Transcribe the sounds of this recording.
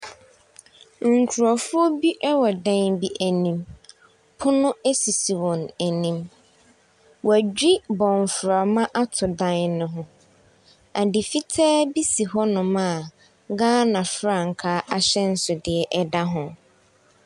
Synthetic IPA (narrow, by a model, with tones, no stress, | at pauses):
ŋ̩˨kʰu˨ɾɔ˨fʊ˦o˦bi˦ʔɛ˦wɔ˨dã˦nbi˦ʔæ˨nĩ˦m | pʰʊ˦nʊ̃˦æ˦si˨si˨wɔ̃˨næ˨nĩ˦m | wæ˨d͡ʑᶣi˦bɔ̃˨ɱ˨fɾa˨mã˦ʔa˦tʰʊ˨dã˦nnʊ̃˨ɦʊ̃˦ | a˨di˨fi˦tʰɛː˦bi˦si˨ɦɔ˦nʊ̃˨mã˦˨ | ɡãː˦nã˨fɾa˨ŋ̩˨kʰaː˦ʔa˦ɕɛ˦n̩˦sʊ˨dɪ˨ɛ˨ʔɛ˦da˦ɦʊ̃˨